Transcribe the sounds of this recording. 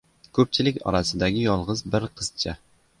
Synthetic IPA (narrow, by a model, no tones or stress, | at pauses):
kʰɵp̚t͡ʃʰɪlɪkʲɒ̰ɾasɪd̪aɡʲɪjɒlˠʁɨzbɪɾqʰɨz̥t͡ʃʰa